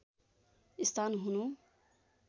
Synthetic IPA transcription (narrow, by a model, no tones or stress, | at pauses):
ist̪ʰanɦunu